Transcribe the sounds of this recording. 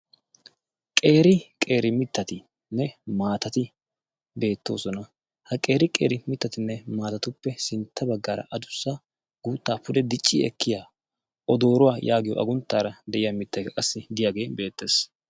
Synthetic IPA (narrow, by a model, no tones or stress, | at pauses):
kʼe̞ːɾɪkʼe̞ːɾɪmɪt̪ːɐt̪ɪ | nːɛmaːt̪ɐt̪ɪ | be̞ːt̪ːo̞̰ːsɔnɐ | hɐkʼe̞ːɾɪkʼe̞̰ːɾɪmɪt̪ːɐt̪ɪnːɛmaːt̪ɐt̪ʊpːɛsɪnt̪ʰːɐbɐɡːaːɾɐ̰ʔɐd̪ʊsːa | ɡuːt̪ːaːpʊd̪ɛd̪ɪt͡ʃʼːḭːɛ̰kːɪjaː | ʔɔd̪o̞ːɾʊwaːjʔaːɡɪjɔ̰ʔɐ̰ɡʊnt̪ːaːɾɐd̪ɛʔɪjamɪt̪ːɐjkɐkʼɐsːɪd̪ɪjaːɡe̞ːbe̞ːt̪ːe̞ːs